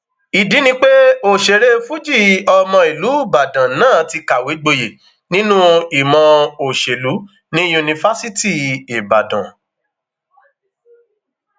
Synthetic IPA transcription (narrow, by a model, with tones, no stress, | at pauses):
i˨di˨˦nĩ˧k͡pe˦o˨ʃe˨ɾe˦fu˦d͡ʒi˦˨ɔ˧mɔ̃˧i˨lu˨˦˨ba˨dã˨nãː˦˨˦ti˧ka˨we˨˦ɡ͡bo˧je˨ | nĩ˦nũ˦i˨mɔ̃˧o˨ʃe˨lu˨˦ | nĩ˦ju˧nĩ˧fa˦si˦ti˦˨i˨ba˨dã̰˨